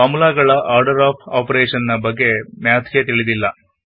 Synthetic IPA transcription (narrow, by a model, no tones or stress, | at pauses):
aːmulaːɡɐɭɐʔaːɾɖɐɾaːpʰaːpɾeːʂɐnnɐbɐɡːe̞mjaːt̪ʰket̪iɭid̪ilːɐ